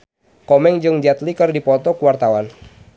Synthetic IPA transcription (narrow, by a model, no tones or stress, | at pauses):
kɔmɛŋd͡ʒɨŋd͡ʒat̪likɨrdipɔt̪ɔkuwart̪awan